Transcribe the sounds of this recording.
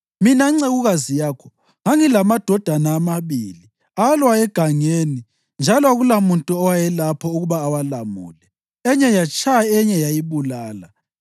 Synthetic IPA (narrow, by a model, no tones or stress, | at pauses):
minaiŋ͡ǀeɣuɣazijaːkʰɔ̥ | ŋaŋilamad̥ʱɔd̥ʱanaːmaβḭːli | alwajɛɡ̥ʱaŋeːni | nd͡ʒʱalɔaɣulamuntʼuɔwajɛlapʰɔuɣuβaːwalamṵːlɛ | ɛɲɛjat͡ʃʼʰajɛɲɛjajiβulaːla